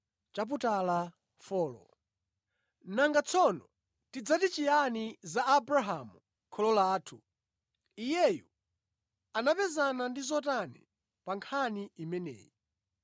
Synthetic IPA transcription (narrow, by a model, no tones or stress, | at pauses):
t͡ʃap̬utala | fɔːlɔ̰ | naŋɡat͡sʰɔnɔ | tid͡zatit͡ʃijanizaːbɾaɦamu | kʰɔlɔlaːtʰu | ijɛju | anapɛzanandizɔtanɛ̰ | paŋkʰaniimɛnɛ̰ːji